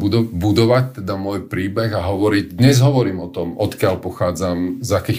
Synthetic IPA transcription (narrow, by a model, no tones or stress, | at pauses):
bud̪bud̪ɔʋac̚t̪ɛd̪amʊɔjpɾiːbɛɣaɦɔʋɔɾiɟd̪ɲɛzɦɔʋɔɾiːmɔt̪ɔmɔt̪kɪaʎpɔxaːd͡zamzakiː